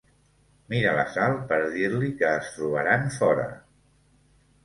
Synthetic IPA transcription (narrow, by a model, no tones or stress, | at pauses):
miɾələ̰salˠpəɾðiɾlikəːst̪ɾuβə̰ɾanfɔɾə̰